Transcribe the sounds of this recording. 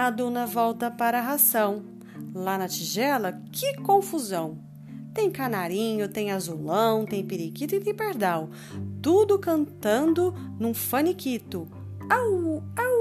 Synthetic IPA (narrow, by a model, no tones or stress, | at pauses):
ad̪õnɐvɔwt̪ɐpaɾɐɦasɐ̃w̃ | lanɐt͡ʃiʒɛlɐkʰɪkõfuzɐ̃w̃ | t̪ẽj̃kanaɾĩɲʊt̪ẽj̃azulɐ̃w̃t̪ẽj̃piɾikit̪ʊẽɪ̃t̪ẽj̃peɾd̪aw | t̪ud̪ʊkɐ̃nt̪ɐ̃nd̪ʊnũfɐnikit̪ʊ | awaw